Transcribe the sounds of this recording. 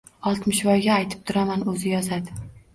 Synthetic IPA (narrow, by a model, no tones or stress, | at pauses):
ɒlˠt̪mɪʃvɒjɡʲaːjt̪ʰɪ̥p̚t̪ʰʊɾamanɵzɪjɒzad̪ɪ